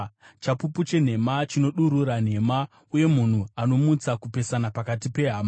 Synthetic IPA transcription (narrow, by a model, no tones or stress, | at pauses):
t͡ʃapuput͡ʃe̞n̤e̞mat͡ʃino̞ɗuɾuɾan̤e̞ma | uje̞mun̤uano̞mut͡sakupe̞sanapakatipe̞ɦama